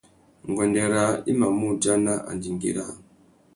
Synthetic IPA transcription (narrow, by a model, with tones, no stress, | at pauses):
ŋ˨ɡɔ˨ndɛ˨ɾa˦i˦ma˨mu˦d͡ʒa˦na˦ʔa̰˨ndi˨ŋɡḭ˨ɾa̰˦˨